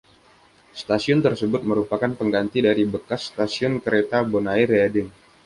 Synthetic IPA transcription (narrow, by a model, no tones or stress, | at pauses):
st̪asiʊnt̪ərsəbʊt̪̚məɾupakanpəŋɡant̪idaɾibəkasːt̪asiʊnkəɾet̪abonairɛdɪŋ